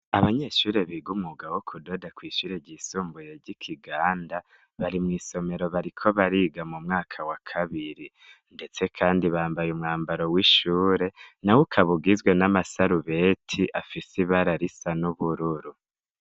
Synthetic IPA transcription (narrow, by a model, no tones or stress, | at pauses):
aβaɲe̞ʃuːɾe̞βiːɡumuɡawokʰudo̞dakwiːʃuːɾeɾɟiːsuːmbujeɾɟikʰiɡaːnda | βaɾimŋiːso̞me̞ɾo̞βaɾikʰo̞βaɾiːɡamumŋaːkʰawakʰaβiɾi | nde̞t͡se̞kʰaːndiβaːmbajumŋaːmbaɾo̞wiʃuːɾe̞nawukʰaβuɡizɡwe̞namasaɾuβe̞tʰiʔafisiβaɾaɾisanuβuɾuɾu